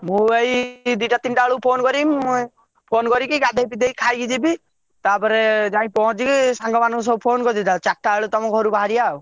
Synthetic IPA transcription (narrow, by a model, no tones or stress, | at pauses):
mũejd̪iʈat̪inʈaɭupʰonkɔɾim | pʰonkɔɾikikad̪ʱepid̪ejkʰajɡid͡ʒibi | t̪aɾpɔɾed͡ʒãĩpɔɦɔ̃t͡ʃikisaŋɡɔmanus̬ɔpʰonkɔɾd̪it̪at͡ʃak̚ʈaəɭut̪ɔmɔkɦɔɾubaɦaɾijaw